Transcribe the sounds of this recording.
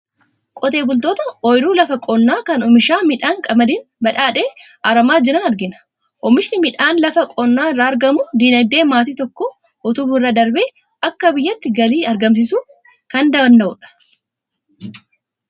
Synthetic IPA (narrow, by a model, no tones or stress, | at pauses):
kʼɔt̪e̞ːbʊlt̪oːt̪ɐɔjɾuːlɐfɐkʼɔnːaːkɐnɔmɪʃaːmɪᶑaːŋkʼɐmɐd̪iːnbɐᶑaːᶑe̞ːʔaːɾɐmaːd͡ʒɪɾɐnɐɾɡɪnɐ̥ | ʔɔmɪʃnɪmɪᶑaːnlɐfɐkʼɔnːaːɪrːaːɐɾɡɐmʊd̪inɐjd̪e̞ːmaːt̪iːt̪ɔkːɔ | ʔɔt̪ʊbʊrːɐd̪ɐɾbeː | ɐkːɐbɪjːɐt̪ːɪɡɐliːɐɾɡɐms̬ɪsuː | kɐnd̪ɐbɐnd̪ɐʔʊᶑɐ̥